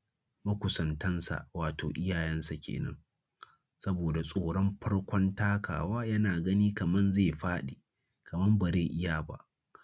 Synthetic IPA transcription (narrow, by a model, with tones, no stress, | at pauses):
mɐ˦kʷʊ˨sɐ˨ntɐ˦nsa̰˨ʔwaː˨to̰ː˨ʔɪ˦jaː˨jɛ˦nsa˨kʲḛː˨nɐ̰˦ŋ | sɐ˦boː˨da˨sʼoː˨ɽɔ˦mɸʰɐ˦ɽkʷɔ˦ntaː˦kʰa̰ː˨waː˦jɐ˦naː˨ɡɐ˦niː˦kɐ˨mɐ˦nze˦˨ɸaː˦ɗeː˨ | kɐ˨mɐ˦mba˨zeː˦˨ʔɪ˦jaː˨ba̰˦ʔ